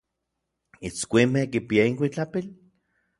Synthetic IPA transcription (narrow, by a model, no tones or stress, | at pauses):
it͡skʷimekipiaiŋkʷit͡ɬapil